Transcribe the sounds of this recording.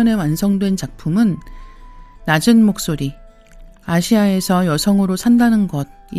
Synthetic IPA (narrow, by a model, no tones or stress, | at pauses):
ʌne̞wansʰʌŋdwe̞nt͡ɕak̚pʰumɯnː | ad͡ʑɯnmok̚s͈oɾi | aɕʰiae̞sʰʌjʌsʰʌŋɯɾosʰandanɯnɡʌd̚i